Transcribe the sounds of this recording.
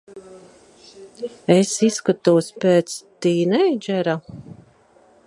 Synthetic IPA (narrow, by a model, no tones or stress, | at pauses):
esiskat̪uːspeːt̪st̪iːnɛjd͡ʒɛɾa